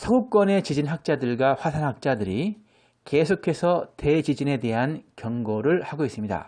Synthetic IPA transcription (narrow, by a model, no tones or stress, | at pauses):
sʰʌɡuk͈wʌne̞t͡ɕid͡ʑinɦak̚t͡ɕ͈adɯɭɡwaɸwasʰanɦak̚t͡ɕ͈adɯɾi | ke̞sʰokʰe̞sʰʌte̞t͡ɕid͡ʑine̞de̞ɦankjʌŋɡoɾɯɭhaɡois͈ɯmɲida̰